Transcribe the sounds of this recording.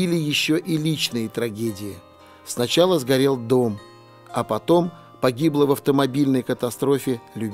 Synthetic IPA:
ilʲɪjɪɕːoʔilʲit͡ɕnɨjɪt̪ɾɐɡʲedʲɪjɪ | snɐt͡ɕalˠəzɡɐɾʲe̞lˠd̪o̞m | ɐpɐt̪o̞m | pɐɡʲiblˠəvɐft̪əmɐbʲilʲnəjkət̪ɐst̪ɾo̞fʲɪlʲʊbʲ

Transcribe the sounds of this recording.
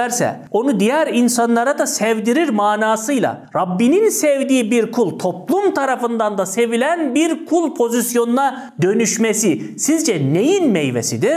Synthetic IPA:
æɾsɛ̰ | o̞nud̪ijæɾinsanlˠaɾad̪asɛvd̪iɾiɾmaːnaːsɯjlˠa̰ɾabːininsevd̪iːbiɾkʰulˠt̪ʰo̞plˠumt̪ʰaɾafɯnd̪and̪asevilʲænbiɾkʰulˠpʰo̞zisjo̞nuna | d̪ø̞nyʃmesi | sizd͡ʒɛnejinmejvesid̪i̥

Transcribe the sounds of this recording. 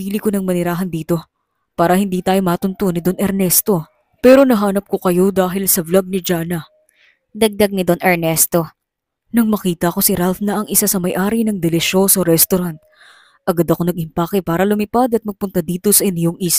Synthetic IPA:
piːlɪkonɐŋmɐnɪɾaːɦɐnd̪iːt̪o̞ | paːɾɐhɪnd̪iːt̪aːjo̞mat̪ʊnt̪onɪd̪onɛɾnɛst̪o̞ | pɛːɾo̞nɐɦaːnɐp̚ko̞kɐjo̞d̪aːɦɪlsɐvlaɡ̚nɪd͡ʒaːnɐ | d̪ɐɡ̚d̪ɐɡ̚nɪd̪onʔɛɾnɛst̪o̞ | nɐŋmɐkiːt̪ɐʔɐko̞sɪɾalfnɐʔɐŋɪsasɐmɐjʔaːɾinɐŋd̪ɛlɛʃo̞soɾɛst̪oɾant̪̚ | ʔɐɡad̪ɐko̞nɐɡ̚ʔɪmpaːkɪpaːɾɐlʊmɪpad̪ɐt̪̚mɐɡ̚pʊnt̪ɐd̪iːt̪o̞sɐʔɪnjoŋis

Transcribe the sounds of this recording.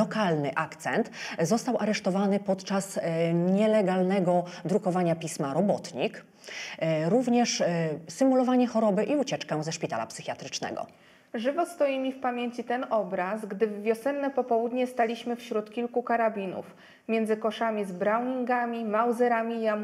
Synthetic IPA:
ɔkalnɘʔakt̪sɛnt̪zɔst̪awʔaɾɛʂt̪ɔvanɘpɔt̪t͡ʂasɲɛlɛɡalnɛɡɔd̪ɾukɔvaɲapʲismaɾɔbɔt̪ɲik | ɾuvɲɛʂsɘmulɔvaɲɛxɔɾɔbɘʔiut͡ɕɛt͡ʂkãzɛʂpʲit̪a̰la̰psɘxʲjat̪ɾɘt͡ʂnɛ̰ɡɔ̰ | ʐɘvɔst̪ɔjimʲifpamʲjeɲt͡ɕit̪ɛnɔbɾasɡd̪ɘvːʲjɔsɛnːɛpɔpɔwud̪ɲɛst̪alʲiɕmɘfɕɾut̪kʲilkukaɾabʲinṵf | mʲjɛnd̪zɘkɔʂamʲizbɾawɲiŋɡamʲimawzɛɾamʲijam

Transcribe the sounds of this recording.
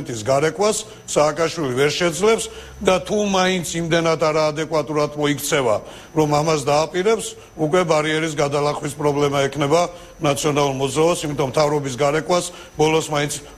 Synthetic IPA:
nt̪ʼisɡaɾɛkʼwasː | aːkʼaʃwilivɛɾʃɛd̪zlɛps | d̪at̪ʰumaint̪sʰimd̪ɛnat̪ʰaɾaːd̪ɛkʼwat̪ʼuɾat̪ʰmɔikʰt̪sʰɛva | ɾɔmamas̬d̪aːpʼiɾɛps | ukʼwɛbaɾiɛɾis̬ɡad̪alaχwispʼɾɔblɛmaɛkʰnɛba | nat̪sʰiɔnalˠuɾmɔd̪zɾaɔsimit̪ʼɔmt̪ʰavɾɔbis̬ɡaɾɛkʼwas | bɔlɔsmaint̪sʰ

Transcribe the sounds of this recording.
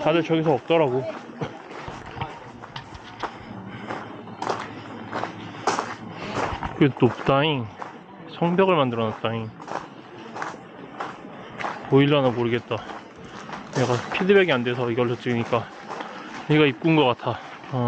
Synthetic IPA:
tadɯɭt͡ɕʌɡis̬ʰʌʌk̚t͈ʌɾaɡo | kɯtopt͈aiŋ | sʰʌŋbjʌɡɯɭmandɯɾʌnat̚t͈aiŋ | oiɭːoanamoɾɯɡe̞t̚t͈a | neɡapʰidɯbeɡeandwe̞sʰʌiɡʌɭːʌt͡ɕ͈iɲik͈a | neɡaip̚k͈unɡʌk͈atʰa

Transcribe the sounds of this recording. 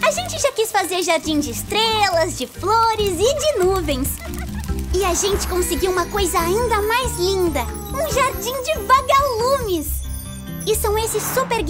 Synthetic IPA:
aʒẽnt͡ʃɪʒakisfazeɾʒaɾd͡ʒĩd͡ʒɪɪst̪ɾelɐzd͡ʒɪfloɾɪzɪd͡ʒɪnuvẽj̃s | ɪaʒẽnt͡ʃɪ̥kõsɪɡiwũmɐkojzɐaĩnd̪ɐmajzlĩnd̪ɐ | ũʒaɾd͡ʒĩd͡ʒɪvaɡalũmɪs | ɪsɐ̃w̃esɪsːupeɾɡ

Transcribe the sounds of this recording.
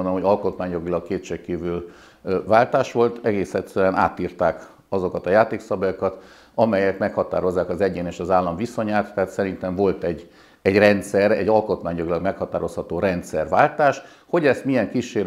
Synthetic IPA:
nomhoɟɒlko̞t̪maːɲjo̞ɡilɒkkeːt̪ʃekiːvyl | vaːlt̪aːʃʋo̞lt̪ɛɡeːsɛt̪søɛnʔa̰ːt̪iːrt̪aːk | ɒzo̞kɒt̪ɒjaːt̪eːksɒbajokɒt̪ | ɒmɛjɛkmɛkhɒt̪a̰ːɾo̞zːaːkɒzɛɟeːneːʃɒzaːlːɒɱviso̞ɲaːt̪ːɛːt̪sɛɾint̪ɛɱvo̞lt̪ɛɟ | ɛɟrɛnt̪sɛɾɛ̰ɟɒlko̞t̪maːɲjo̞ɡilɒɡmɛkhɒt̪aːɾo̞shɒt̪oːɾɛnt̪sɛrʋaːlt̪aːʃ | ho̞ɟɛst̪mijɛŋkiʃːeːɾ

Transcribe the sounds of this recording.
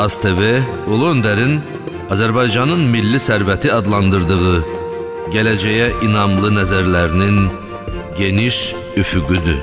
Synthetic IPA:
ɑst̪ʰeve | olˠuønd̪æɾin | ɑzæɾbɑjd͡ʒɑnɯnmilːisæɾvæt̪ʰiɑd̪lˠɑnd̪ɯɾd̪ɯʁɯ | ɟælæd͡ʒæjæʔinɑmlˠɯnæzæɾlæɾinin | ɟe̞niʃ | yfyɡyd̪y

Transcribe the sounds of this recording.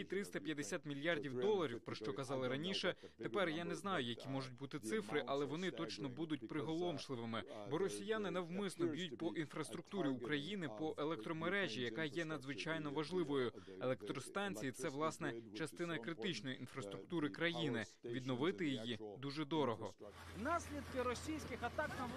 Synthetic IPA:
it̪ɾɪst̪ɐpʲjɐd̪esʲat̪mʲilʲjɑrdʲiwd̪ɔlˠːɐɾʲiwpɾɔʃt͡ʃɔkɐzɑlˠɪɾɐnʲiʃɛt̪epɛrjanɛznɑjʊjɐkʲimɔʐʊt̚ʲbut̪ɪt̪sɪfɾɪʔɐlˠɛʋɔnɪt̪ɔt͡ʃnɔbud̪ʊt̚ʲpɾɪɦɔlˠɔmʃlˠɪʋɪmɪbɔɾɔsʲijanɪnɐwmɪsnɔbʲjut̚ʲpɔʔinfɾɐst̪ɾʊkt̪uɾʲiukɾɐjinɪpɔʔelˠɛk̚t̪ɾɔmeɾɛʒʲijɐkɑjɛn̪ɐd̪zʋɪt͡ʃɑjnɔʋɐʒlˠɪʋɔjʊelˠɛk̚t̪ɾɔst̪ɑnʲt͡sʲijit̪sɛʋlˠɑsnɛt͡ʃɐst̪ɪnɐkɾɪt̪ɪt͡ʃnɔjiinfɾɐst̪ɾʊk̚t̪uɾɪkɾɐjinɪ | ʋʲid̪̚nɔʋɪt̪ɪjijid̪uʒɛd̪ɔɾɔɦɔ | nɑsʲlʲid̪kɪɾɔsʲijsʲkɪxɐt̪ɑk̚t̪ɐm

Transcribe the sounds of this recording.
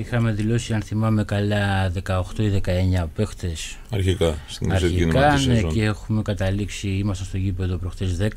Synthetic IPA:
ixɐme̞ðilo̞siɐnθimɐme̞kɐlɐðe̞kɐo̞xt̪o̞iðe̞kɐe̞ɲɐpext̪esɐɾçikɐsɐɾçiikɐneceexume̞kɐt̪ɐliksiimɐst̪ɐnst̪o̞ʝipe̞ðo̞pɾo̞xt̪ezðe̞k

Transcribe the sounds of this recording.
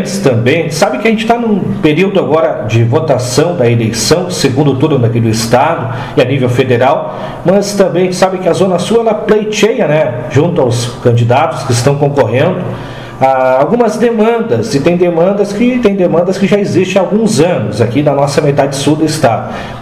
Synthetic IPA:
t͡ʃɪ̥st̪ɐ̃mbẽj̃sabɪ̃kɪɐʒẽnt͡ʃɪ̥t̪anũpeɾiwd̪ʊaɡɔɾɐd͡ʒɪvot̪asɐ̃w̃d̪ɐelejsɐ̃w̃seɡũnd̪ʊt̪ud̪ʊ̃d̪ɐakid̪ʊɪst̪ad̪ʊ | ɪanivewfed̪eɾaw | mɐst̪ɐ̃mbẽj̃t͡ʃɪsabɪ̃kɪɐzõnɐsuɐɛlɐplejt͡ʃejɐnɛʒũnt̪ʊawskɐ̃nd͡ʒid̪at̪ʊ̥skɪst̪ɐ̃w̃kõkoɦẽnd̪ʊ | aawɡũmɐzd̪emɐ̃nd̪ɐzɪt̪ẽj̃d̪emɐ̃nd̪ɐskɪt̪ẽj̃d̪emɐ̃nd̪ɐskɪʒaezist͡ʃẽawɡũzɐ̃nʊzakinɐnɔsɐmet̪ad͡ʒɪsud̪ʊɪst̪ad̪ʊ

